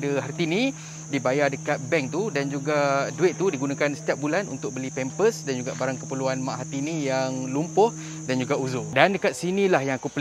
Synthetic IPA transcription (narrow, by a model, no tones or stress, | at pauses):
dəɦart̪inĩ | dibajardəkat̪̚bɛŋt̪udand͡ʒuɡaduɪʔ̪t̪udiɡunãkansə̥t̪iap̚bulanṵnt̪ʊk̚bəlipɛmpəsdand͡ʒuɡaʔbaɾaŋkəpəluanmaʔɦat̪inĩjaŋlumpʊh | dand͡ʒuɡauzudandəkat̪̚sinilahjaŋakupl